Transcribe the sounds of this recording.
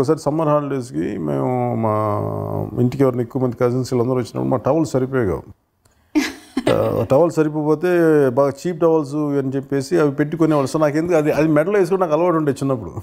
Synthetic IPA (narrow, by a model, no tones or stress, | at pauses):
kɐs̬aːɾisɐmːɐɾɦaːɳɖeːs̬ikḭmḛ̃ːma̰ː | ḭɳʈikeʋɐɾɐnekːuʋɐmɐnd̪ikaːsinsilɐnd̪ɐɾʋɐt͡ʃːinɐ̰pːuɽumaːʈɐʋɐlssɐɾip̬oːjɐɡa̰ː | ʈɐʋɐlssɐɾip̬oːpoːt̪eːbaːɡɐt͡ʃiːp̚ʈɐʋɐls̬uɐnit͡ʃepːe̞ːsiɐʋipeʈːikonɛʋɐːɭɐst̪ɐnaːkend̪ukɐd̪iɐd̪imɛɖɐlɐeːs̬kuːɽɐnaːkɐlɐʋɐʈ̬uɳʈet͡ʃːinːɐp̬ːuɽṵ